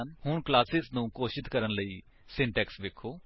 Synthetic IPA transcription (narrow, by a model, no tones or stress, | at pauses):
nhʊɳklaːsɪznũːkoːʃɪt̪kəɾənləiː | sɪɳʈɛːksʋekʰːoː